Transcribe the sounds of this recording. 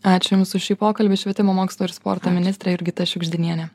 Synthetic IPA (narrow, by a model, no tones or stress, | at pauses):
ɑːt͡ʃʲʊjmsʊʃʲiːpoːkɐlʲbʲɪʃʲʋʲiɛt̪ʲɪmoːmoːkslˠoːɪɾspo̰ːɾt̪oːmʲɪnʲɪst̪ɾʲɛjʊɾʲɡʲɪt̪ɐʃʲʊɡʒʲd̪ʲɪnʲiɛnʲɛ